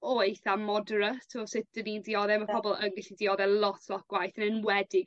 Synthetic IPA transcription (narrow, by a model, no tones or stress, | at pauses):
oɨθamɔdəɾətʰɔsɪθd̥ənidiɔðɛmapʰɔbɔlˠənɡɪɬidiɔðɛlˠɔtʰlˠɔtɡwajθənənwɛdɪɡ